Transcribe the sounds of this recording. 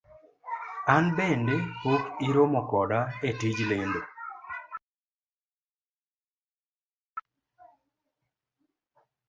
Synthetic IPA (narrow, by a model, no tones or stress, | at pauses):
anbendekokɪɾomɔkɔdaetid͡ʒlendo